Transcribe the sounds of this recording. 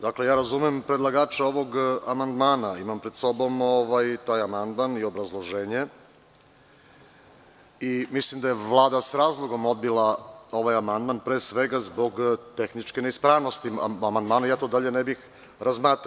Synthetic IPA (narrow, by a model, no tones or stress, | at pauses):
d̪akle̞jaːɾazumempɾed̪lˠaɡaːt͡ʃeo̞ʋo̞ɡamand̪maːnaimampɾed̪so̞bo̞moʋajt̪aːjamand̪manio̞bɾazlˠoʒeːɲe | imislimd̪ajeʋlˠaːd̪asɾaːzlˠo̞ɡo̞mo̞d̪̚bilˠao̞ʋajamand̪manpɾeːsʋe̞ɡazbo̞ɡt̪e̞xnit͡ʃkeneispɾaːʋno̞st̪iamand̪maːnajaːt̪od̪aʎe̞nebix | ɾazmaːt̪